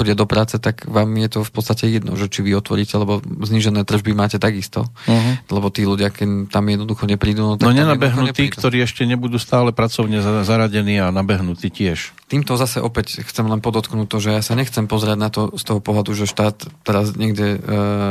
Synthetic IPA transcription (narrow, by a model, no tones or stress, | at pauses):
xɔɟɛd̪ɔpɾaːt͡sɛt̪aɡʋaːmjɛt̪ɔfpɔt̪t͡sst̪acɛjɛd̪nɔ̰ʒɛt͡ʃiʋiɔt̪ʋɔ̰ɾiːcɛlɛbɔzɲiːʒɛnɛːt̪r̩ʒbimaːcɛt̪aɡist̪ɔ̰lɛbɔt̪iːluɟɪakt̪amjɛd̪nɔd̪uxɔɲɛpɾiːd̪uːnɔt̪ɔɲɛnabɛɦnuɛt̪ɾiːkt̪ɔɾiːɛʃcɛɲɛbud̪uːst̪aːlɛpɾat͡sɔʊɲɛzaɾaɟɛniːanabɛɦnut̪iːcɪɛʃt̪iːmt̪ɔzasɛʔɔpɛcxt͡sɛmlɛnpɔd̪ɔt̪knuːtt̪ːɔʒɛjaːsaɲɛxt͡sɛmpɔzɛɾɪaɟnat̪ɔst̪ɔɦɔpɔɦlad̪uʒɛʃt̪aːt̪ːɛɾazɲɛɡɟɛ